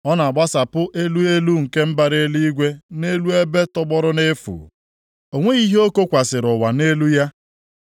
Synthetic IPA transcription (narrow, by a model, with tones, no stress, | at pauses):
ɔ˦na˨a˨ɡ͡ba˦sa˨pʊ˦ʔe˦lu˦e˦lu˦ŋ̩˨ke˦m̩˦ba˨ɾe˦li˦ɡʷe˦ne˦lu˦e˦be˦tɔ˦ɡ͡bɔ˦ɾʊ˦ne˦fṵ˨ | o˨ŋʷe˦i˦ɦe˦o˦ko˦kʷa˨sɪ˨ɾʊ˨wa˨ne˦lu˦ja˦